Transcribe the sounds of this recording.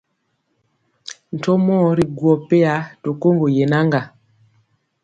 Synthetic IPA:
n̩˨to˦mɔ˦ɾi˨ɡwɔ˨pe˦a˨˦to˨ko˦ŋɡo˨je˨na˦ŋɡa˨

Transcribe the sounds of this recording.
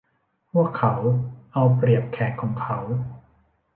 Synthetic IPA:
pʰu˥˩əkʰːa˦˥wʔa˧wpɾi˨˩əp̚kʰɛː˨˩kʰːɔː˩˦ŋkʰa˦˥w

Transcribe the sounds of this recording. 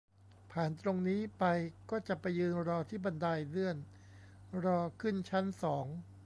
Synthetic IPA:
pʰaː˨˩nt̪ɾo˧ŋniː˦˥pa˧jkɔː˥˩t͡ɕa˨˩pa˧jːɯː˧nɾɔː˧t̪ʰiː˥˩ba˧ndaː˧jlɯ˥˩ən | ɾɔː˧kʰɯ˥˩nt͡ɕʰa˦˥nsɔː˩˦ŋ

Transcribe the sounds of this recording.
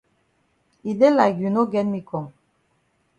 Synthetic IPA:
i˨de˦la˨ɡy˨no˦ɡɛ˦nmi˨kɔ˨ŋ

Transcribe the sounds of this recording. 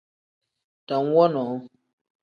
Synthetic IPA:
ta˨n˦wɔ˦nɔ˨˦

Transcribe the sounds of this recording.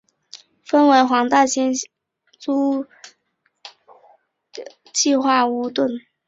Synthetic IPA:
fə˥nwe˧˥ɪxwɑ˧˥ŋt̪a˥˩ɕʰjɛ˥n | t͡su˥ | t͡ɕi˥˧xwa˥˩u˧˥t̪wə˥˩n

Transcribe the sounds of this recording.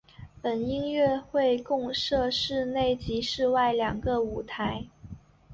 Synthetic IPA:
pə˨˩ni˥ŋɥɛ˥˧xwe˥˧ɪkʊ˥˧ŋʂɤ˥˧ʂɻ̩˥˧ne˥˩ɪt͡ɕi˧˥ʂɻ̩˥˧wa˥˩ɪljɑ˨˩ŋɡə˧u˨˩t̪ʰa˧˥ɪ

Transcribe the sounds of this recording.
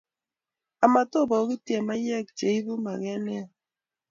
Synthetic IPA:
a˨ma˨to˦˨bɔ˨˦ɣi˦tje˨ma˦jɛ˦˨k̚t͡ʃe˨i˦βu˦ma˨ɣɛ˦nɛ˦a˨

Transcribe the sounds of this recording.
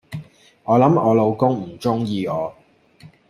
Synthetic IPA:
ŋɔː˨˧lɐ˨˥mɔː˨˧lo˨˧wkʊ˥ŋm̩˨˩t͡ʃʊ˥ŋjiː˧ɔː˨˧

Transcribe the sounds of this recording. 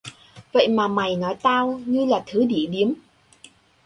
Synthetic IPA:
və̰˧˨jmaː˨˩ma˨˩jnɔ˨˦jt̪aː˧wɲɨ˧laː˨˩t̪ʰɨ˨˦ɗi˧˩ɗi˨˦əm

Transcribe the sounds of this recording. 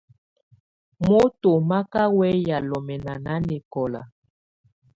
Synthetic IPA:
mo˦to˨ma˦ka˦wɛ˦ja˨lɔ˨mɛ˨na˨na˦nɛ˨kɔ˨la̰˨

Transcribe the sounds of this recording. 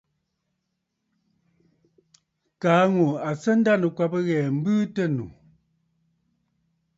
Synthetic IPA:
kaː˨˦ŋu˨a˨sə˦n̩˦da˦˨nə˨kwa˦pə˦ɣɛː˨m̩˦bɨː˦tə˦˨nṵ˨

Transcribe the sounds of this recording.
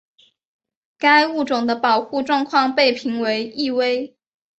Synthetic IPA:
ka˥ɪu˥˩ʈ͡ʂʊ˨˩ŋd̪ə˦pɑ˨˩ʊxu˥˧ʈ͡ʂwɑ˥˧ŋkʰwɑ˥˧ŋpe˥˩ɪpʰi˧˥ŋwe˧˥ɪi˥˩we˥ɪ

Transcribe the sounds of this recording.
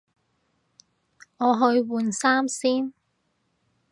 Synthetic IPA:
ŋɔː˨˧ɦɵ˧ɥwuː˨˧nsaː˥msiː˥n

